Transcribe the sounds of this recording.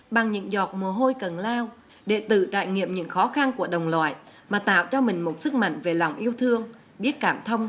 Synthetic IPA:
ɓa˨˩ŋɲɨ̰˧˥ŋzɔ˨˩t̚mu˨˩əɦo˧jkə˨˩nlaː˧w | ɗe˧˩t̪ɨ̰˧˨t͡ɕa̰ː˧˨jŋḭ˧˨əmɲɨ̰˧˥ŋxɔ˨˦xa˧nku˧˩əɗə˨˩wŋ͡mlwa̰ː˧˨j | maː˨˩t̪a̰ː˧˨wt͡ɕɔ˧mï˨˩ŋ̟mo˨˩t̚sɨ˦˥k̚ma̰˧˨jŋ̟ve˨˩la˨˩wŋ͡mʔi˧əwt̪ʰɨ˧əŋ | ɓi˦˥ət̚kaː˧˩mt̪ʰə˧wŋ͡m

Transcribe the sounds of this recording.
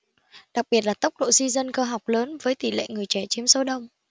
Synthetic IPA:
ɗa˨˩k̚ɓi˨˩ət̚laː˨˩t̪ə˦˥k͡p̚ɗo̰˧˨zi˧zə˧nkəː˧ɦa˨˩wk͡p̚ləː˨˦nvəː˨˦jt̪i˧˩lḛ˧˨ŋɨ˨˩əjt͡ɕɛ˧˩t͡ɕi˨˦əmso˨˦ɗə˧wŋ͡m

